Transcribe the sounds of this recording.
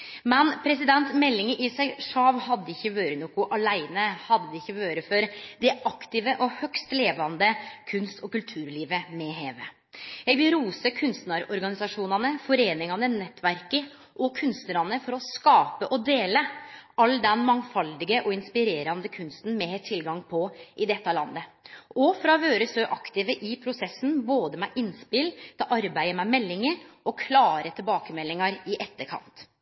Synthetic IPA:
mɛnpʰɾɛsɪd̪ɛnt̪mɛlːɪŋəʔɪsæɪʂɑːʋhɑd̪ːəɪçːəʋøːɾənuːkʊʔɑlæɪnəhɑd̪ːəd̪əɪçːəʋøːɾəfɔɾd̪ɛʔɑkt̪ɪʋəʔɔhœkst̪leːʋɑnd̪əkʰʉnst̪ʰɔkʉlt̪ʰʉːɾliːʋəmɛɦeːʋə | jɛɡʋɪlɾuːsəkʰʉnst̪nɑɾɔɾɡɑnɪsɑʂuːnɑnəfɔɾeːnɪŋɑnənɛt̪ːʋæɾkə | ʔɔkʰʉnst̪əɾɑnəfɔɾɔskɑːpəʔɔd̪eːləʔɑld̪ɛnmɑŋfɑld̪ɪɡəʔɔɪnspɪɾeːɾɑnd̪əkʰʉnst̪n̩mɛt̪ʰɪlɡɑŋpʰɔʔɪd̪ɛt̪ːɑlɑnːəɔfɾɑʋøːɾəsøːʔɑkt̪ɪʋəʔɪpʰɾʊsɛsːn̩boːd̪əmɛʔɪnspɪlt̪ʰʔɑɾbæɪəmɛmɛlːɪŋəɾʔɔkʰlɑːɾət̪ʰɪlbɑːkəmɛlːɪŋɑɾɪʔɛt̪ːəɾkʰɑ̰nt̪

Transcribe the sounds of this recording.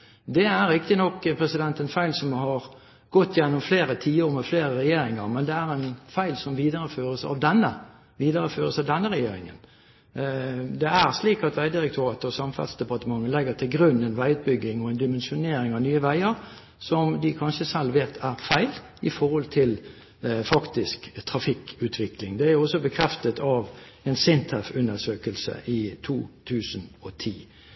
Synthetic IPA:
d̪ɛæɾɪkt̪ɪnɔkːpʰɾɛsɪd̪ɛnt̪ɛnfæɪlsɔmhɑɾ | ɡ̥ɔt̪ːjɛnːɔmfleːɾət̪ʰiːəɾmɛfleːɾəɾɛjeːɾɪŋə̰ɾmɛnd̪ɛæɾɛnfæɪlsɔmʋiːd̪əɾəføːɾəsɑ̰ʋd̪ɛnːə | ʋiːd̪əɾəføːɾəsɑʋd̪ɛnːəɾɛjeːɾɪ̰ŋə̰n | d̪ɛæɾsliːkɑt̪ʋæɪd̪ɪɾɛkt̪ʊɾɑːt̪əɔsɑmfɑ̰lsd̪ɛpɑt̪əmɑŋːəlɛɡːət̪ʰɪlɡɾʉnːɛnʋæɪʉt̪̚bʏɡːɪŋɔɛnd̪ɪmɛnʃʊneːɾɪŋɑʋnyːəʋæɪəɾ | sɔmd̪ɪkʰɑnʃəsɛlʋeːt̪ʰæʁfæɪl | ɪfɔʁhɔlt̪ʰɪl | fɑkt̪ɪskt̪ʰʁɑfɪkʉːt̪ʰʋɪklɪŋd̪ɛæɾʁjʊɔsɔbəkʰɾɛft̪ət̪ʰɑʋ | ɛnsɪnt̪ʰəfʉnːəsøːkəlsə̰ʔɪt̪ʰuːt̪ʰʉːsənɔt̪ʰiː

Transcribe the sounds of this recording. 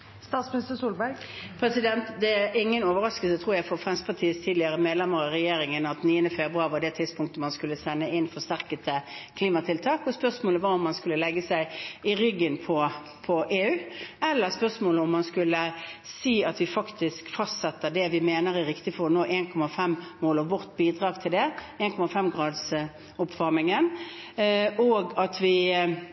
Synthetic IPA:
st̪ɑːt̪smɪnɪst̪əsuːlbæɾɡ | pʰɾɛsɪd̪ɛnt̪d̪ɛæɾɪŋːənoːʋəɾɑskəlsət̪ʰɾuːɾjæɪfɔɾfʁɛmspʰɑt̪ʰiːəst̪ʰiːd̪lɪəɾəmeːd̪lɛməɾɑɾɛjeːɾɪŋənɑt̪niːənəfeːbɾʉɑʋɑd̪ɛt̪ʰɪd̪spʊŋk̚t̪əmɑnskʉlːəsɛnːəɪnfɔʂt̪æɾkət̪əkʰliːmɑt̪ʰɪlt̪ʰɑːkɔspœʁsmoːləʋɑɾɔmːɑnskʉlːəlɛɡːəsæɪɪɾʏɡːənpʰɔ | pʰɔʔeːʉːɛlːəʁspœʁsmoːləɔmːɑnskʉlːəsiːɑt̪ʋɪfɑkt̪ɪskfɑst̪sɛt̪ːəd̪ɛʋɪmeːnəɾæɾɪkt̪ɪfɔʁɔnoːʔeːnkʰɔmɑfɛmmoːlɔʋʋɔʁt̪biːd̪ʁɑːɡt̪ʰɪld̪ɛeːnkʰɔmɑfɛmɡʁɑːd̪s | ʊpʋɑʁmɪŋən | ʔoːɡɑt̪ʋɪ

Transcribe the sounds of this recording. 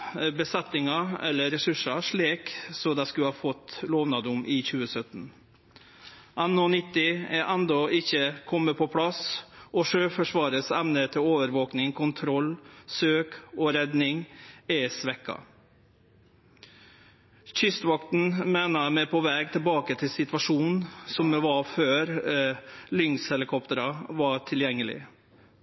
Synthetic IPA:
bəsɛt̪ːɪŋɑɛ̰lːəɾɛsʉʂɑʂɭeːksɔd̪ɑskʉhɑːfɔt̪loːʋnɑd̪ʊmʔiːçʉːəsœt̪n̩ | ʔɑnːɔnɪt̪ːɪɛːʔænd̪ɔɪçəkʰɔmːəpʰɔpʰɽɑsʔɔʂøːfɔʂʋɑːɾəsɛmnət̪ʰɪloːʋəɾʋoːknɪŋkʰʊnt̪ʰɾɔlsøːkoːɾɛd̪nɪŋɛsʋɛkːɑ̰ | çʏst̪ʋɑkt̪n̩meːnɑmɛpʰɔʋɛːɡ̚t̪ʰɪlbɑːkət̪ʰɪlsɪt̪ʋɑʂuːnnsɔmɛʋɑføːɾ | lʏŋshɛlɪkʰɔpt̪əɾɑʋɑʈʰɪljɛŋːəlɪ̰

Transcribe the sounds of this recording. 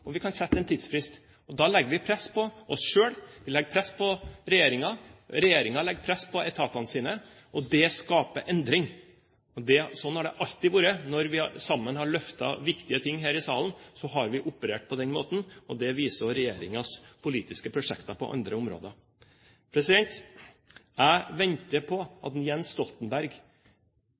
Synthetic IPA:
ɔʋɪkʰɑnsɛt̪ːəɛnt̪ʰiːd̪sfɾɪst̪ | ɔd̪ɑlɛɡːəʋɪpʰɾɛsːpʰɔʔɔsʂøːɽʋɪlɛɡːpʰɾɛsːpʰɔɾɛjeːɾɪŋɑɾɛjeːɾɪŋɑlɛɡːpʰɾɛsːpʰɔɛt̪ʰɑːt̪ɑnəsiːnə | ʔɔd̪ɛskɑːpəʔɛnd̪ɾɪŋ | ɔd̪ɛsɔnːhɑɖɛʔɑlt̪ːɪʋuːɾənɔɾʋɪsɑmːənhɑɭœft̪ɑ̰ʋɪkt̪ɪət̪ʰɪŋːɦæːɾɪsɑːlənsɔɦɑɾʋɪʔʊpəɾeːʈ̚pʰɔd̪ɛnmoːt̪n̩ɔd̪ɛʋiːsɔɾɛjeːɾɪ̰ŋɑspʰʊliːt̪ɪskəpʰɾʊʂɛkt̪ɑpʰɔ̰ʔɑ̰nd̪ɾəʊmɾo̰ːd̪ə | pʰɾɛsɪd̪ɛnt̪ | æɪʋɛnt̪əpʰɔɑt̪jɛnsst̪ɔlt̪ənbæɾɡ

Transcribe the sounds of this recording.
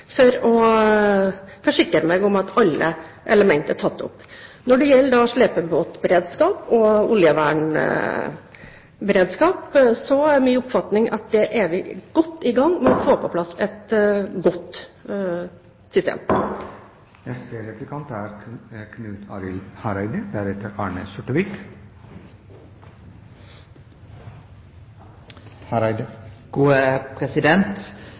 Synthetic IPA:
fɔɾɔ | fɔʂɪkːɾəmɛɡɔmɑt̪ɑlːə | ʔɛ̰ləmɛnt̪əæʈʰɑt̪ːʊ̰pːnɔɖɛjɛlːəd̪ɑːʂɭeːpəboːt̪bəɾeːd̪skɑːpɔʊljəʋæːɳ | bɛɾeːd̪skɑːpsɔæɾmyːʊpːfɑt̪nɪŋʔɑ̰t̪̚d̪ɛʔæɾʋɪɡ̥ɔt̪ːɪɡɑŋːmɛnɔfoːpʰɔpʰlɑsːɛt̪ɡɔt̪ | sʏst̪ḛːm | nɛst̪əɾɛpləkʰɑnt̪æɾkʰnʉːt̪ʰɑɾɪlhɑɾæɪd̪əd̪æɾɛt̪ːəɾɑːɳəsɔʈəʋɪk | hɾɡ̥uːəpʰɾɛsɪd̪ɛnt̪

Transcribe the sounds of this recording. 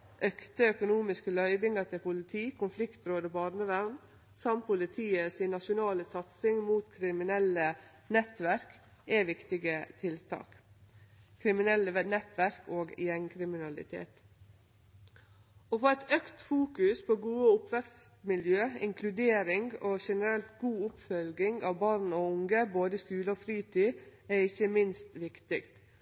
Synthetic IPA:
ʔœkt̪əœkʊnuːmɪskəlœʏbɪŋɑt̪ʰɪlpʊlɪt̪ʰiːkʰʊnflɪkt̪ɾoːd̪əbɑɾnəʋæɾn | sɑmpʰʊlɪt̪ʰiːəsɪnːɑʃʊnɑːləsɑt̪sɪŋmuːt̪kʰɾɪmɪnɛlə | nɛt̪ʋæɾk | ɛʋɪkt̪ɪɡət̪ʰɪlt̪ʰɑ̰ːk | kʰɾɪmɪnɛlːənɛt̪ʋæɾkoːɡjɛŋkʰɾɪmɪnɑlɪ̰t̪ʰḛːt̪ | ofɔɛt̪œkt̪fuːkʉspʰoːɡuːəʊpʋɛkst̪mɪljøːɪ̰ŋkʰlʉd̪eːɾɪŋɡoːʃɛnəɾɛlt̪ɡuːʊpfœlɡɪŋɡɑːʋbɑɾnoːʊŋɡəboːd̪əskʉːləɔfɾiːt̪ʰiːæɪçəmɪnst̪ʋɪkt̪ɪkt̪

